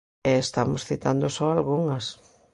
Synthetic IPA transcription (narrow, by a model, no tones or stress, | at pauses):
ɛest̪amʊsθit̪and̪osɔalɣuŋɐs